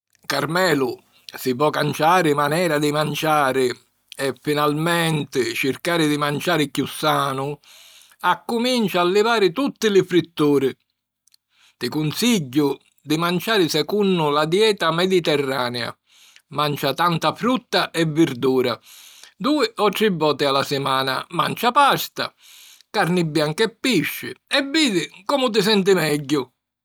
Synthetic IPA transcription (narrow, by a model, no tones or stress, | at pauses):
kaɾmɛːlʊ | sɪpɔkant͡ʃaːɾɪmanɛːɾad̪imant͡ʃaːɾɪ | ɛfːinalmɛnt̪ɪt͡ʃɪrkaːɾɪd̪imant͡ʃaːɾɪkjusːaːnʊ | akːʊmint͡ʃaːlːɪvaːɾɪt̪ut̪ːɪlɪfɾit̪ːuːɾɪ | t̪ɪkunsiɟːʊ | d̪ɪmant͡ʃaːɾɪsɛkunːʊlad̪jɛːt̪amɛd̪it̪ɛrːaːnɛa̰ | mant͡ʃat̪ant̪afɾut̪ːaʔɛvːɪɾd̪uːɾa̰ | d̪uːɪʔɔʈ̪ɾibːɔːt̪ɪalasɪmaːna̰ma̰nt͡ʃapast̪a̰ | kaɾnɪbːjaŋkɛpːiʃːɪ̰ɛvːiːðɪkɔːmʊt̪̬ɪsɛnt̪̬ɪmɛɟːʊ